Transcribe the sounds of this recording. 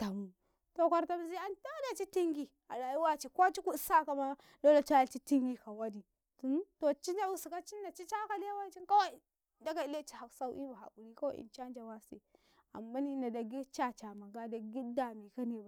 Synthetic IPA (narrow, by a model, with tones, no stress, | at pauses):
ta˨mu˨ | to˨ka˨ɾta˦m˦zi˦a˦nta˦da˨t͡ʃi˦ti˦ŋɡi˨ | a˨la˨i˦wa˦t͡ʃi˨ko˦t͡ʃi˦ku˦sa˦ka˨ma˦ | do˦la˦t͡ʃa˦a˨t͡ʃi˦ti˦ŋɡi˦ka˨wa˦di˨ | tu˨˦n˦to˨t͡ʃi˦na˦wu˦su˨ka˦t͡ʃi˦nːa˨t͡ʃi˦t͡ʃa˦ka˦le˦wa˦n˦t͡ʃi˦nka˦wa˦i˨ | da˦ɡa˨i˦le˦t͡ʃi̥˦ha˨ksa˦u˦ʔi˦ba˨a̰˨u˨ɾi˦ko˦ḭ˨nt͡ʃa˦nd͡ʒa˨wa˦sḛ˨ | a̰˨mba˦ni˦na˨da˨ɡi˦t͡ʃa˦t͡ʃa˨ma˨ɡa˦da˨ɡi˦da˨mi˨ka˦ni˨ba˨